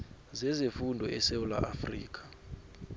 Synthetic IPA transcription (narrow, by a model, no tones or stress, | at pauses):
zɛzefundʱɔʔɛsewula̰ʔafriːk̬ʼḁ